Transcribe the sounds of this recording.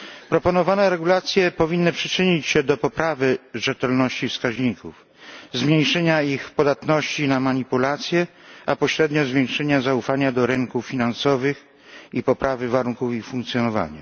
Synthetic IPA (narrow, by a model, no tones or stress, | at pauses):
pɾɔpɔnɔvanɛɾɛɡulat̪sʲjɛpɔvʲinːɘpʂɘ̥t͡ʂɘɲit͡ɕɕɛd̪ɔpɔpɾavɘʐɛt̪ɛlnɔɕt͡ɕifskaʑɲikuf | zmɲejʂɛɲaixpɔd̪at̪nɔɕt͡ɕinamaɲipulat̪sʲjɛ | apɔɕɾɛd̪ɲɔzvʲjɛŋkʂɛɲazaufaɲad̪ɔɾɛŋkufʲinansɔvɘx | ipɔpɾavɘvaɾuŋkufixfũŋkt̪sʲjɔnɔva̰ɲa̰